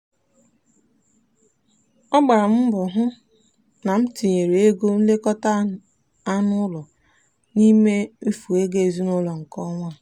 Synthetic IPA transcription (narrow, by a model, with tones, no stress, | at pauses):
ɔ˦ɡ͡ba˨ɾa˨m̩˦bʊ˨ɦʊ˦ | na˨m̩˦ti˨ɲe˨ɾe˨e˦ɡo˦n̩˦le˦kɔ˦ta˦ | a˦nʊ˦lɔ˨ | ni˦me˦m̩˦fu˨e˦ɡe˦e˨zu˦nʊ˦lɔ˨ŋ̩˨kɔ˦ŋʷa˦˨